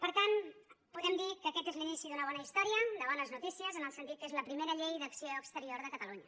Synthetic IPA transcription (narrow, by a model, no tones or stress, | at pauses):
pəɾt̪anpuðɛmd̪ikəːkɛt̪ezlinisiðunəβ̞ɔnəist̪ɔɾiəd̪əβanləznut̪isiəzənəlˠsənt̪it̪̚kezləpɾimeɾəʎejðəksioəkst̪əɾioɾðəkət̪əluɲə